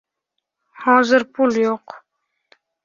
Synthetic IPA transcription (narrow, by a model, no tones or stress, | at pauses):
hɑ̃ːzəɾpuljoq